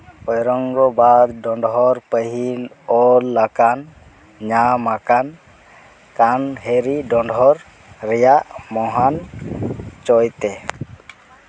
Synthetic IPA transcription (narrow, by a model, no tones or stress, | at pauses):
ɔjɾɔŋɾɔbad̪ɖɔɳɖɦɔɾpəɦin | ɔlːakan | ɲamakan | kanɦeɾiɖɔɳɖɦɔɾ | ɾɛjaʔmɔɦan | t͡ʃɔjt̪ɛ